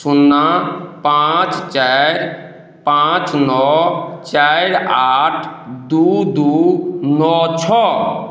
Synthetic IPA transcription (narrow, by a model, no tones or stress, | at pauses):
sunːapãt͡ʃt͡ʃaɾ | pãt͡ʃnɔt͡ʃajɾaʈʰd̪ud̪unɔt͡ʃʰɔ